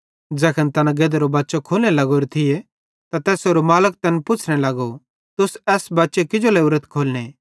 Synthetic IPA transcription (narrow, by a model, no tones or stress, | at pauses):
d͡ʒɛːkʰənt̪ɐnãɡeːd̪ɾobaːtːʃokʰoːlnelɐɡoːɾet̪ʰɪje | t̪at̪ɛːsoːɾomaːlək̚t̪ɐnpʊt͡ʃʰɽ̃elɐɡo | t̪ʊsɛːsbɐːtːʃekɪd͡ʒoleʊɾət̪kʰoːlne